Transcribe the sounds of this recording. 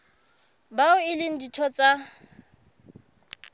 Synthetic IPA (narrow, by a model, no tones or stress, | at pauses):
baʊɪlɪn̩ditʰɔt͡sʼa